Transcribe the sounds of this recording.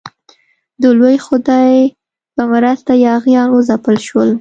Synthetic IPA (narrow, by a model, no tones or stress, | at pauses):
d̪əlojxʊd̪ɑj | pəmaɾast̪ajɑɣjɑnozapəlʃwəl